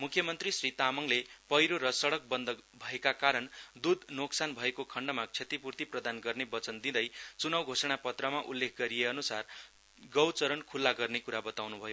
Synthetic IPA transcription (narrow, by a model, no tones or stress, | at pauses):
mukʰːjʌmʌnt̪risrit̪amʌŋlepʌjɾoɾʌsʌɽʌk̚bʌnd̪ʌbʱʌekakaɾʌnd̪ud̪ʱnoksanbʱʌekokʰʌɳɖʌmakt͡sʰet̪ipurt̪iprʌd̪anɡʌrnebʌt͡sʌnd̪id̪ʌjt͡sunʌwɡʱosʌɽ̃apʌt̪rʌmaʔulːek̚ʰɡʌɾijeʌnusar | ɡʌwt͡sʌɾʌɳkʰulːaɡʌrnekuɾabʌt̪awnubʱʌjo